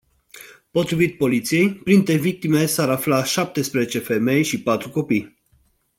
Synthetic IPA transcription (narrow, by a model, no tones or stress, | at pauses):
po̞t̪ɾivit̪̚po̞lit̪sije̞jpɾint̪ɾevik̚t̪imesaɾaflaʃap̚t̪e̞spɾezet͡ʃe̞fe̞me̞jʃipat̪ɾuko̞pij